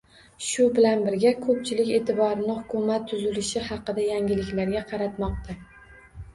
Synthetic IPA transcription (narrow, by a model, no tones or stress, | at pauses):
ʃʊbɪlanbɪɾɡʲakʰɵp̚t͡ʃʰɪlɪkʲe̞ːt̪ʰɪbɒɾɪnɪhʊkʊmat̪ʰːʊzɪlɪʃɪhɑqɨd̪ajaŋʲɪlɪkʲlaɾɡʲaqʰɑɾat̪mɒq̚t̪ʰa